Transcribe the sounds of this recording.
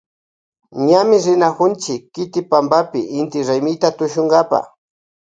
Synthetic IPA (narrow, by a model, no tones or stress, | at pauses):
ɲamɪɾɪnakʊnt͡ʃɪkːɪt̪ɪpambapɪʔɪnt̪ɪɾajmɪjt̪at̪ʊʃʊŋɡapa̰